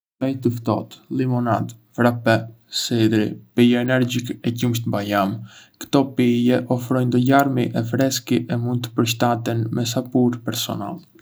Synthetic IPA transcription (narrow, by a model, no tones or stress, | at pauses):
ajt̪əft̪ɔ̰t̪limɔnad̪fɾapɛ | sid̪ɾḭpijaɛnɛɾd͡ʑikɛcumʃt̪bajamkə̥t̪ɔpijɛʔɔfɾɔjnd̪ɔlaɾmiʔɛfɾɛskiʔɛmund̪̚t̪ːə̥pəɾʃt̪at̪ɛnmɛs̬apuɾpɛɾsɔ̰na̰lˠ